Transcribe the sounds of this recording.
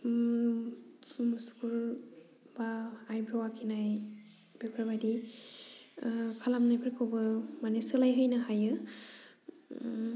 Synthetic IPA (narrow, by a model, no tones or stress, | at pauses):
su̥kul | baajbɾɔwakʰinaj | b̥epʰɾabadi | kʰalamnajpʰaɾekʰowbɯmanesɯlajɦɯjnaɦajɯ